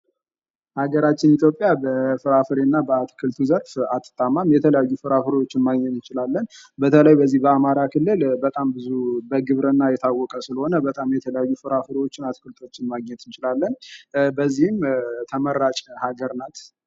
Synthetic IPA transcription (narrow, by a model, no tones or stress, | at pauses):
haɡəɾat͡ʃːɪnit̪ʰjo̞pʼjabəfɨɾafɨɾenːabəat̪ʰkʰɨlt̪ʰuzəɾfat̪ʰʼːɨ̥t̪ʼamamjɛt̪ʰələjajːufɨɾafɨɾewot͡ʃːɪnmaɡɲɛt̪ɨnt͡ʃɪlalːənbət̪ʰələjbəzːihbəamaɾakʰɨlːɨlbət̪ʼambɨzubəɡɨβɾənːajɛt̪ʰawːɔkʼəsɨləho̞nəbət̪ʼamjɛt̪ʰələjajːufɨɾafɨɾewo̞t͡ʃːɪnat̪kʰɨlt̪ʰo̞t͡ʃːɪnmaɡɲɛt̪ɨnt͡ʃɪlalːənbəzːihɨmt̪ʰəməɾːat͡ʃʼhaɡəɾnat̪